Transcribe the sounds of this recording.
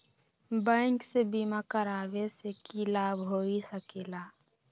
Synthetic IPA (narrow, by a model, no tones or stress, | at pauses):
bə̃ŋksebiːmakəɾaːwesekilaːbɦoːisəkeːlaː